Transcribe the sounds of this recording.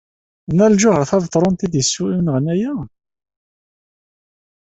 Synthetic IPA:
nælʒʊʁəɾθævt̪ˤːɾˤont̪id̪jəsːuimnʁənæjæ

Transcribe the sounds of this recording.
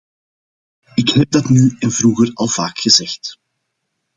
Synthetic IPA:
ɪkhɛb̚dɑtnyɛnvruːɣərɑlˠv̥aːkxəzɛxt

